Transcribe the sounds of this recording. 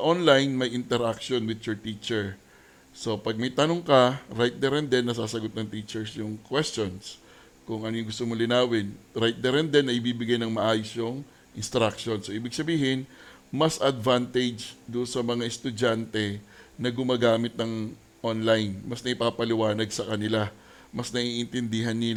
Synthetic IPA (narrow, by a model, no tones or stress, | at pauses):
ɐʔonlajnmɐjʔɪnt̪ɛɾʔak̚ʃonwɪd̪̚t͡ʃʊɹt̪it͡ʃɛɹ | so̞pɐɡ̚mɐjt̪ɐnoŋkɐɾajt̪̚d̪ɛɾɛnd̪ɛnːɐsaːsɐɡot̪̚nɐŋt̪it͡ʃɛɹsjʊŋkwɛst͡ʃons | kʊŋʔɐnojʊŋɡʊst̪omolɪnaːwɪnɾajt̪̚d̪ɛɾɛnd̪ɛnːɐʔɪbiːbɪɡajnɐŋmɐʔaːjʊsjoŋ | ʔɪnst̪ɾakʃo̞nsoʔiːbɪɡ̚sɐbiːhɪn | mɐsʔɐd̪vant̪ɛd͡ʒd̪ʊnsɐmɐŋaʔɛst̪ʊd͡ʒant̪ɛnɐɡʊmaːɡaːmɪt̪̚nɐŋ | ʔonlajnmɐsnɐʔɪpaːpɐlɪwaːnɐɡ̚sɐkɐnɪla | mɐsnɐʔiʔɪnt̪ɛnd̪ɪɦɐnːɪl